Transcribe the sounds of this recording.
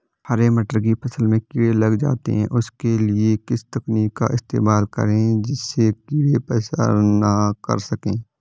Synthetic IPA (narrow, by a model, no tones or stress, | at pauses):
həɾemɐʈəɾɡipʰɐsəlmẽkɪwelɐɡd͡ʒa̰ːt̪ḛɦɛ̰̃ʔʊskelɪekɪst̪ɐkniːkːa̰ʔɪst̪ḛːmaːlkə̰ɾẽd͡ʒɪsːekɪwepɛːsa̰nakə̰ɾsɐkẽː